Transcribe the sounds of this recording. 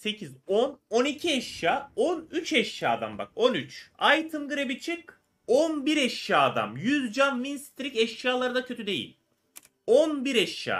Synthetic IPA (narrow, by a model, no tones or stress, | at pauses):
se̞cʰizononicʰiɛʃjaːonyt͡ʃʰɛʃjaːd̪a̰mba̰ko̞nyt͡ʃajt̪ʰɯmɡɯɾebit͡ʃʰɯk | onbiɾɛʃjaːd̪a̰mjyzd͡ʒanminst̪ʰɾicɛʃjaːlˠaɾɯd̪acʰø̞t̪ʰyd̪e̞jḭlʲ | onbiɾɛʃja̰ː